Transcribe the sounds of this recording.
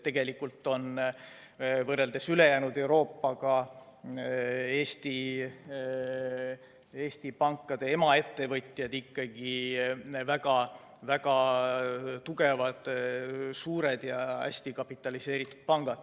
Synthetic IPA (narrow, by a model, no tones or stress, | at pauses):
t̪e̞ɡ̥e̞likːult̪ːo̞n | vɤre̞ld̪̥e̞syle̞jæːnud̪̥e̞wɾo̞ːpːˑɑɡɑ | e̞ːst̪i | e̞ːsʲt̪ipɑŋkːˑɑd̪̥e̞e̞mɑe̞t̪ːe̞vɤt̪ʲˑjɑd̪ikːɑɡi | væɡ̥ɑ | væɡ̥ɑ | t̪uɡ̥e̞vɑd̪̥suːɾe̞d̪̥jɑæ̰sʲt̪ikɑpːit̪ːˑɑlise̞ːɾit̪ːˑu̥d̪̥̚pɑŋɡ̥ɑd̪̥